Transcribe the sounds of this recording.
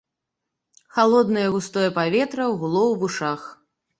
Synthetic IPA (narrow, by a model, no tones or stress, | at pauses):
xalˠɔd̪nɐjɐɣust̪ɔjɐpavʲɛt̪ɾɐwɣulˠɔwvuʂax